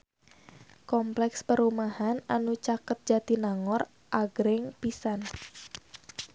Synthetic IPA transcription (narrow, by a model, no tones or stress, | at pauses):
kɔmplɛkspəɾumahananut͡ʃakət̪̚d͡ʒat̪inaŋɔr | ʔaɡɾɪŋpisan